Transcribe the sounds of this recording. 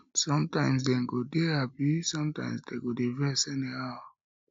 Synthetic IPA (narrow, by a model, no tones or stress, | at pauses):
sɔ̃mtãɪ̃ms̬dɛ̃nɡodehabisɔ̃mtã̰ɪ̃msdeɡodevɛsɛnihaʊ